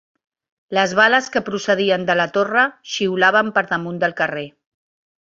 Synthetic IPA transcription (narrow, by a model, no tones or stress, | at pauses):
ləzβaləskəpɾusəð̞iənd̪ələt̪orəʃiwlaβ̞əmpəɾðəmund̪əlˠkəre